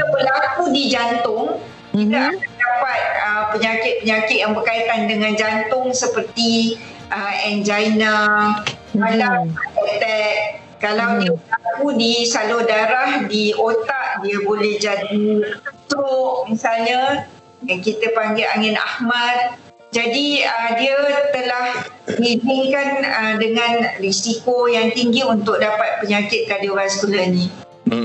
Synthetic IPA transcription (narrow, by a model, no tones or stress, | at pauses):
t̪əbəlakudid͡ʒant̪ʊŋ | kit̪aakandapat̪̚əpəɲakɪt̪̚pəɲakɪt̪̚jaŋbərkait̪andəŋãnd͡ʒant̪ʊŋsəpərt̪i | ʔəɛnd͡ʒajna | alaaɛt̪ɛʔ̚ | kalawdiəpəlakudisalʊhdaɾahdiʔot̪aʔdiəbolɛhd͡ʒadiət̪ɾʊʔmisalɲa | jaŋkit̪əpaŋɡɪa̰ŋɪna̰hmãt̪̚ | d͡ʒadiədiət̪əlahmibɪŋkanədəŋãnrisikojaŋt̪iŋɡiunt̪ʊk̚dapat̪̚pəɲakɪt̪̚kadoɾasəkulanĩ